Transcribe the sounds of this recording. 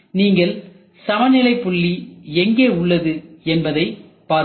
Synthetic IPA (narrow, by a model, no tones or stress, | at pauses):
niːŋɡɐɭ | sɐmɐnɪlɐɪpːʊɭːiɛŋɡeːʊɭːɐðɯɛnbɐðɐɪpːaːɾ